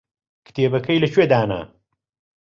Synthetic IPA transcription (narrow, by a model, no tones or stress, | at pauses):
kʰɨ̥t̪ʰeːbɐkʰɐjlɐt͡ʃwed̪aːnɐ̰